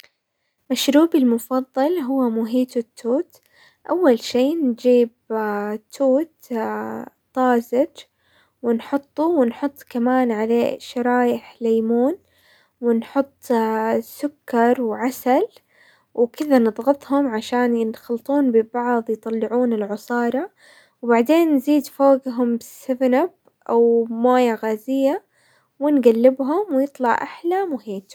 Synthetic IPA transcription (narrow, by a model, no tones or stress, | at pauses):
maʃɾuːbɪlmʊfɑðˤːɑlɦʊwːamʊɦiːt̪ʊt̪ʰːuːt̪ | ʔawːalʃiːnd͡ʒiːbt̪ʰːuːt̪ | t̪ˤːɑːzɪd͡ʒ | wɪnħʊt̪ˤːuwɪnħʊt̪ˤːkamaːnʕalḛːʃɑɾˤɑːjɪħlejmuːn | wɪnħʊt̪ˤːsʊkːɑɾˤwʕasal | wɪkɪðanɨðˤɣɑt̪ˤhʊmʕaʃaːnjɪnxɑlt̪ˤuːnbɪbɑʕðˤjt̪ˤɑlːɪʕuːnɪlʕʊsˤɑːɾˤɑ | wbaʕd̪eːnːziːd̪foːɡɦʊmbɪsɪvɪnab̚ | ʔawmoːjaɣaːzɪjːa | wɪnɡalːɪbɦʊmwɪjɨt̪ˤlɑʕʔaħlamʊhiːt̪